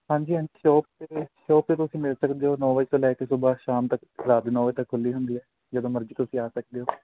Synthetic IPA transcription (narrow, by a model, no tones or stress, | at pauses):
ɦãːɲd͡ʒiːɦə̃ʃɔːp̚t̪eʃɔːp̚t̪eːt̪ʊsĩːmɪlsəkd̪eːoːnɔːʋəiːt̪õːlɛːkeːsʊbaːʃaːmt̪əkɾaːd̪nɔːʋeːt̪əkʰːʊlːiːɦʊnd̪iːɛː | d͡ʒəd̪õːməɾd͡ʒiːt̪ʊsĩːaːsək̚d̪eːɦoː